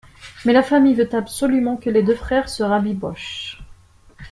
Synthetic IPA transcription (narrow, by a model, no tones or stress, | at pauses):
mɛlafamijvøt̪absɔlymɑ̃kəled̪øfχɛʁsəʁabibɔʃ